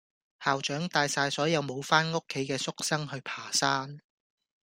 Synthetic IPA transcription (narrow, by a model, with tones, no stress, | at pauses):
haː˨wt͡ʃœː˨˥ŋt̪aː˧jsaː˧jsɔː˨˥jɐ˨˧wmo˨˧wfaː˥nŋʊ˥kʰːe˨˥jkɛː˧sʊ˥k̚sɐ˥ŋɦɵ˧ɥpʰaː˨˩saː˥n